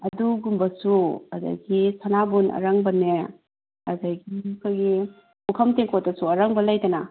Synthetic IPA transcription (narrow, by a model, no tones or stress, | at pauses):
ɐduɡumbɐsuɐda̰jɡisanabunɐ̰ɾɐŋbɐne | ɐdajɡimkʰojɡi | ukʰɐmteŋkʰotɐsuɐɾɐŋbɐlɐjtɐna